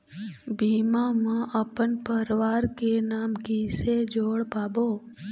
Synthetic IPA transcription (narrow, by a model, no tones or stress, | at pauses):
bimamãʔəpənpəɾʋaɾkenaːmkised͡ʒoːɽbabo